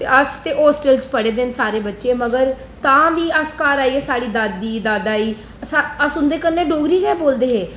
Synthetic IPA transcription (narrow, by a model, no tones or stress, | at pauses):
t̪eːəst̪eːʔɔːsʈəlt͡ʃpəɽeːd̪ensaːɾeːbətːʃẽːməɡəɾ | t̪ãːʋiːəskaːɾaːieːsaːɽiːd̪aːd̪iːd̪aːd̪aːiː | saəsʊnd̪eːkəɾneːɖoːɡɾiːkɛːboːld̪eːɦeː